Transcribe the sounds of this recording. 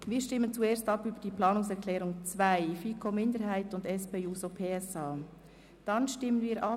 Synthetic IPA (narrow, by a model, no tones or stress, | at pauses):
viːɾʃtɪmːənt͡sueːɾstɑpybəd̥iːplɑːnʊŋsɛɹkʰlɛːɾʊŋt͡svaɪfiːkʰomɪndəhaɪtʊndɛspeːuːsopʰeːɛsɑː | d̥ɑnʃtɪmənviːɾʔɑ